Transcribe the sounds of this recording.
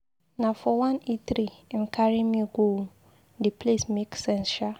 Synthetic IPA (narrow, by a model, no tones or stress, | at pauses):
nãfɔwãneθɾiɛnkʰaɹĩmĩɡo | dipʰlesmeksɛ̃nsʃa